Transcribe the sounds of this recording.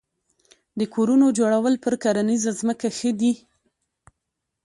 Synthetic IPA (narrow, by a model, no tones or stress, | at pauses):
d̪əkʰoɾunod͡ʒoɽawəlpəɾkaɾanizazməkaxəd̪i